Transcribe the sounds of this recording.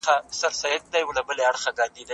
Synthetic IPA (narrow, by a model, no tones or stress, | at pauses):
asaɾsajɪt̪̚d̪ajwlabəleaɽxaɡɑd̪id̪a